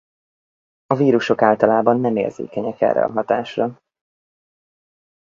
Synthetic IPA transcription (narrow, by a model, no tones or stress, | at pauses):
ɒviːɾuʃo̞kaːlt̪ɒlaːbɒnːɛmḛːrz̥ḛːkɛɲɛkɛ̰rːʔɛ̰ɒ̰ɦɒt̪aːʃrɒ